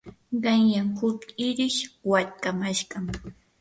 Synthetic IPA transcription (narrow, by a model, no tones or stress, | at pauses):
ɢɑŋjaŋhʊkɪɾɪʃwaʎkamaʃɢɑm